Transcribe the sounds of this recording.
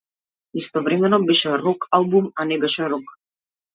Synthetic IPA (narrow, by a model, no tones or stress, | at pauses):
ist̪ɔvɾɛmɛnɔbɛʃɛɾɔkʰalˠbumanɛbɛʃɛɾɔk